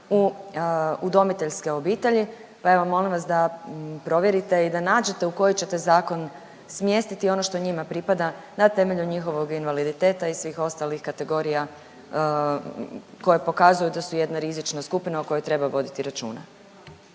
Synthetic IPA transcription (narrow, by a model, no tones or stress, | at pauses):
u | ud̪o̞mit̪e̞ʎske̞o̞biːt̪e̞ʎi | pae̞ʋomo̞limʋas̬d̪apɾo̞ʋje̞ɾit̪e̞id̪anaːd͡ʑe̞t̪e̞uko̞jit͡ɕe̞t̪e̞zaːko̞n | smje̞st̪it̪io̞no̞ʃt̪oɲimapɾipad̪anat̪e̞me̞ʎuɲixo̞ʋo̞ɡinʋalid̪it̪e̞ːt̪aisʋiːxo̞st̪alixkat̪e̞ɡo̞ɾija | ko̞jepo̞kazujud̪asujed̪naɾizit͡ʃnaskupinauko̞jot̪ɾe̞baʋo̞d̪it̪iɾat͡ʃṵːna